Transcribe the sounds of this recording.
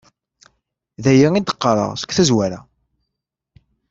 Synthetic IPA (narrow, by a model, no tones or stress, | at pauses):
ðæjiid̪ə̥qːɑɾˤə̰ʁsə̥kʷːθæzwæɾæ̰